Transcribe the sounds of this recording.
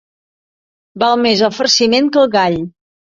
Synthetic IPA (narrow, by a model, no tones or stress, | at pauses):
balˠmezəfəɾsimeŋkəlˠɣaʎ